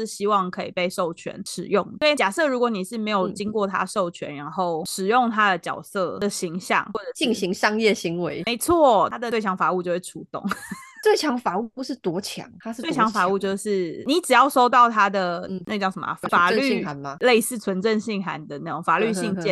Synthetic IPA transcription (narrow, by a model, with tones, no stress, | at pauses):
ʂɻ̩˥˩ɕi˥wɑ˥˩ŋkʰɤ˧˦˥i˨˩pe˥˧ɪʂo˥˩ʊt͡ɕʰɥɛ̰˧˦nʂɻ̩̰˨˩jʊ˥˩ŋd̪ə˩we˥˩t͡ɕja˨˩sɤ˥˨ɻu˧˥kwɔ˧˥˦ni˨˩ʂɻ̩˥˩me˧˥ɪjo˨˩ʊt͡ɕi˥ŋkwɔ˥˩t̪ʰa̰˥˦ʂo˥˩ʊt͡ɕʰɥɛ̰˧˦nɻa˧˥nxo˥˩ʊʂɻ̩˨˩jʊ˥˨˩ŋt̪ʰa˥d̪ə˨t͡ɕjɑ̰˨˩ʊsɤ˥˧d̪ə˨ɕi˧˥ŋɕjɑ̰˥˧ŋxwɔ˥˩ʈ͡ʂə˨˩t͡ɕi˥˧ŋɕi˧˥ŋʂɑ˥ŋjɛ˥˩ɕi˧˥ŋwe˧˦ɪme˧˥ɪt͡sʰwɔ˥˩t̪ʰa˥d̪ə˨˩we˥˩ɪt͡ɕʰjɑ˧˥ŋfa˨˩u˥˧t͡ɕjo˧ʂ̩˥˩ʈ͡ʂʰu˧˥t̪ʊ̰˨˩˦ŋt̪we˥˩ɪt͡ɕʰjɑ˧˥ŋfa˨˩˦u˥˩pu˧˥ʂ̩˥˩t̪wɔ˧˥t͡ɕʰjɑ̰˨˥˦ŋt̪ʰa˥ʂ̩˥we˥˩ɪjɑ˧˥ŋfa˨˩˥u˥˧t͡ɕjo˥˧ʊʂɻ̩˥˩ni˧˥ʈ͡ʂɻ̩˨˩jɑ˥˩ʊʂo˥ʊt̪ɑ˥˩ʊt̪ʰa˥d̪ə˨na̰˥˧˩ʈ͡ʂʊ˧˩ŋʂə˧˦m̰˨˩fa˨˩ly˥˩a˧˦nma˧le˥˧ɪsɹ̩˥˩t͡sʰwə˧˦nʈ͡ʂə˥˧nɕi˥˩ŋxa˧˥n˨d̪ə˨na˥˩ʈ͡ʂʊ˨˩ŋfa˨˩ly˥˧ɕi˥˧ŋt͡ɕjɛ˥˨˩